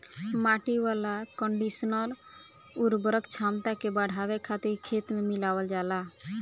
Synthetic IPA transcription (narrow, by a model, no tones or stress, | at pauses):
maʈiʋalakəɳɖisənəl | uɾbəɾəkt͡ʃʰamt̪akebəɽ̤ʱawekʰat̪iɾkʰet̪memilawəld͡ʒala